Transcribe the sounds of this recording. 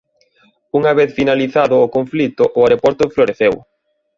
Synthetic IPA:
uŋaβeθfinaliθaðʊːkoɱflit̪ʊʔʊaɾepɔɾt̪ʊfloɾeθew

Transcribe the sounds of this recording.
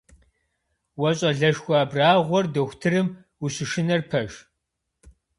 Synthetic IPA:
wɐɕʼɐɮɐʃxʷaːbraːʁʷɔrdɐxʷtʰɨrɨm | uɕɪʃɪnɐrpʰɐʃ

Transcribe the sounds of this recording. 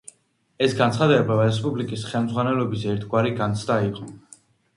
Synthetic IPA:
ɛsɡant̪sχad̪ɛbaɾɛs̬pʼublikʼisχɛlˠmdzʁwanɛlɔbisɛɾt̪ʰɡwaɾiɡant̪sʰd̪aiqʼɔ

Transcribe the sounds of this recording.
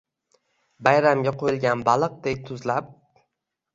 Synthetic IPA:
bajɾamɡʲaqʰojɪlˠɡʲanbalˠɨq̚d̪ejt̪ʰʊzlap̚

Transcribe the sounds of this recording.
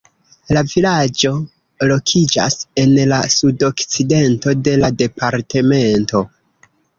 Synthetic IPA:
lavilad͡ʒo̞ | lo̞kʰid͡ʒa̰se̞nlasudo̞kt͡side̞nto̞de̞lade̞paɾte̞me̞nto̞

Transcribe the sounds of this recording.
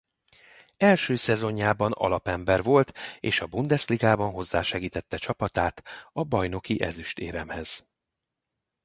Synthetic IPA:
ɛlʃøːsɛzo̞ɲːaːbɒnɒ̰lɒpɛmbɛrvo̞lt̪eːʃɒbund̪ɛsliɡaːbɒnɦo̞zːaːʃɛɡiːt̪ɛt̪ːɛt͡ʃɒpɒt̪aːt̪ɒbɒjno̞kiʔɛ̰zyʃt̪eːɾɛmhɛz̥

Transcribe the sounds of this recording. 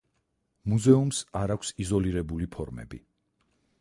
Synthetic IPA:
muzɛumsaɾakʰʷsizɔliɾɛbulipʰɔɾmɛ̰bḭ

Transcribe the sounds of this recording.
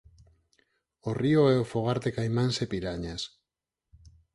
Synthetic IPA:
orioeofoɣ̞aɾt̪ekajmansepiɾaɲas

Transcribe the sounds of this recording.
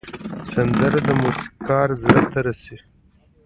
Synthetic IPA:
sand̪əɾad̪əmusi̥kɑːɾzɾat̪aɾasi

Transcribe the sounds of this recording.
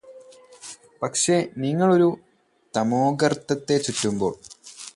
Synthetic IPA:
pɐkʂe̞niŋːɐɭo̞ɾu | t̪ɐmoːɡɐrt̪ːɐt̪ːe̞t͡ɕutːumbo̞̰ːɭ

